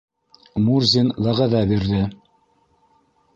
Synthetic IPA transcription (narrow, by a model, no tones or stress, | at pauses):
murzʲinlˠɑʁɑðɑbiɾðɘ